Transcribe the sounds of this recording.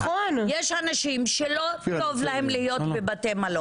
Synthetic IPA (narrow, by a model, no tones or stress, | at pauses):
onjeʃhanaʃimʃelo̞to̞vlahe̞mlihijo̞t̪bebatemalo